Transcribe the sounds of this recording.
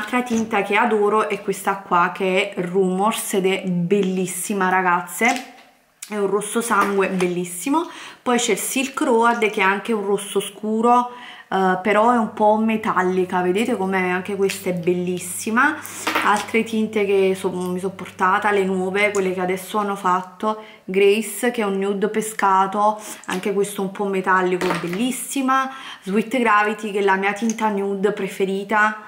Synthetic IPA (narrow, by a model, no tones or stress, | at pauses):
alt̪ɾat̪int̪ak̟ead̪ɔːɾoʔɛkwest̪akːwak̟eɛruːmorsed̪ɛbelːisːimaɾaɡat̪sːe | ɛunrosːosaŋɡwebelːisːimopɔjt͡ʃɛlsilkɾɔad̪k̟ɛaŋk̟eunrosːoskuːɾo | peɾɔɛumpɔmet̪alːikaved̪eːt̪ekomeaŋk̟ekwest̪aɛbelːisːima | alt̪ɾet̪int̪ek̟esɔmisɔpːort̪aːt̪alenwɔːvekwelːekead̪ɛsːoanːofat̪ːo | ɡɾɛjsk̟ɛunːjud̪peskaːt̪oa̰ŋkekwest̪oɛumpɔmːet̪alːikoɛbːelːisːimazwit̪ːɡɾaːvit̪ik̟elamiːat̪int̪anjud̪pɾefeɾiːt̪a